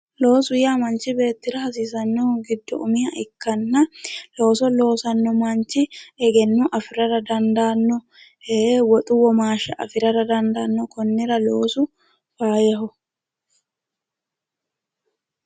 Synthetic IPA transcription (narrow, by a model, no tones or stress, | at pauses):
lo̞ːsʊjaːmɐnt͡ʃɪbe̞ːt̪ːɪɾɐhɐs̬iːsɐnːɔɡɪd̪ːɔ̰ʔʊmɪjɐʔɪkːɐnːɐlo̞ːsɔlo̞ːsɐnːɔmɐnt͡ʃːɪɛɡɛnːʊʔɐfɪɾɐɾɐd̪ɐnd̪aːnːɔ | ewɔt̪ʼʊwɔmaːʃɐʔɐ̰fɪɾɐɾɐd̪ɐnd̪aːnːɔkɔnːɪɾɐlo̞ːsʊ | faːjɐɦʊ